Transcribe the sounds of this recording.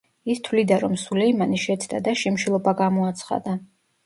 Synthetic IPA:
ist̪ʰwvlid̪aɾɔmsulɛimaniʃɛt̪sʰd̪a̰d̪aʃimʃilˠɔbaɡamɔat̪sʰχa̰d̪a

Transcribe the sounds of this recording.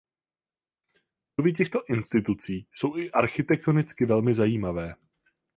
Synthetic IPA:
novɪcɛxt̪o̞ʔɪnst̪ɪt̪ut͡siːso̞wʔɪʔaɾxɪt̪ɛk̚t̪onɪt͡skɪvɛlmɪzajiːmavɛː

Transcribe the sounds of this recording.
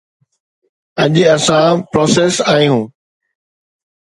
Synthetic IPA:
ɐʄɐsãpɾoːseːsaːĩɦũː

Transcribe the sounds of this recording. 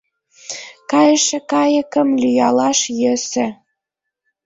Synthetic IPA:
kɑjə̆ʃĕkɑjə̆kə̆mlʲyjɑlɑʃjə̆sĕ

